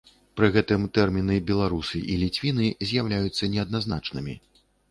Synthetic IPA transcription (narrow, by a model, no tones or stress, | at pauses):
pɾɨɣɛt̪ɨmt̪ɛrmʲinɨbʲɛlˠaɾusɨʔilʲit͡sʲvʲinɨzʲjawlʲajut̪sːɐnʲɛɐd̪̚naznat͡ʂnɨmʲḭ